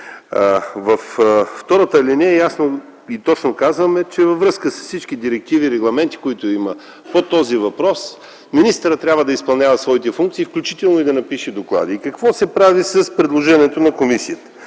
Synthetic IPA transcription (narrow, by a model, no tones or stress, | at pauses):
vɐfft̪ɔɾət̪əlinɛɛjasno | it̪ɔt͡ʃnokazvɐmɛt͡ʃɛvɐvɾɤskəsəssit͡ʃk̟id̪iɾɛk̚t̪iviːɾɛɡlˠɐmɛnt̪i̥koit̪oimə | pot̪ɔzivɐpɾɔs | minist̪əɾət̪t̪ːɾʲabvəd̪ɐispɐlˠnʲavɐsvɔit̪ɛfuŋk̚t̪siːfklʲut͡ʃit̪ɛlˠnoid̪ɐnɐpiʃɛd̪oklˠa̰d̪iːkɐkvɔsɛpɾavisɐspɾɛd̪lˠoʒɛnʲiɛt̪onɐkomisiət̪ə̥